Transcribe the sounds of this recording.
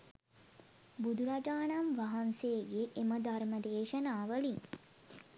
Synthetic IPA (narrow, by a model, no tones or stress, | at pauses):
bud̪uɾad͡ʒaːnamʋaɦanseːɡeʔːməd̪ʱarməd̪eːʃənaːʋəliŋ